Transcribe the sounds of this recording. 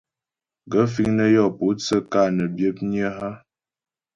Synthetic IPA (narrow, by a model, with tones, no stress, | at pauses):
ɡə˦fi˦ŋnə˦jɔ˦˨po˨˦t͡sə˦ka˦˨nə˨bjə˦p̚ɲjə˦ɦa˦